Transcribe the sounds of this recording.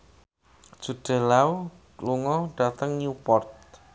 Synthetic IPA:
d͡ʒ̥ṳɖ̥ə̤lau | luŋɔɖ̥a̤t̪əŋnupɔrt̪̚

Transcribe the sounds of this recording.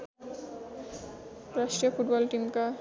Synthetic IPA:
ɾaʃʈɾiofuʈbɔlʈimka

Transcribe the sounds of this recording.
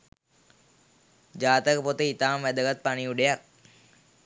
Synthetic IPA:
d͡ʒaːt̪əkəpot̪əit̪aːmʋæd̪əɡat̪̚paniuɖejak̚

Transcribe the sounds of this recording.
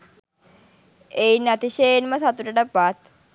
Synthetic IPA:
einːɐt̪iʃejenməsat̪uʈəʈəpat̪

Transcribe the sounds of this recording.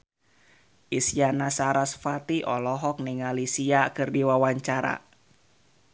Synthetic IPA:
ʔisianasaɾasfat̪iʔɔlɔɦɔk̚niŋalisiakɨrdiwawaɲt͡ʃaɾa̰

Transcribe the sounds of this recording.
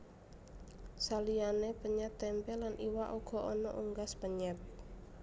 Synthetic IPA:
salianepəɲɛtt̪ɛmpɛlanʔiwaʔuɡ̥ɔ̤ʔɔnɔ̰ʔuŋɡaspəɲɛt̪̚

